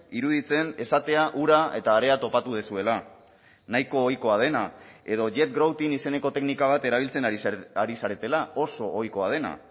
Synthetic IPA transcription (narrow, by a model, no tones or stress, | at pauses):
iɾuðit͡se̞ne̞sat̪e̞aʔuɾae̞t̪aːɾe̞at̪o̞pat̪uð̞esue̞la | najko̞ːjko̞að̞e̞nae̞ð̞o̞ʝe̞t̪̚ɡɾowt̪inise̞ne̞ko̞t̪e̞knikaβ̞at̪e̞ɾaβ̞ilt͡se̞naɾisaɾe̞t̪e̞lao̞so̞ʔːjko̞að̞e̞na̰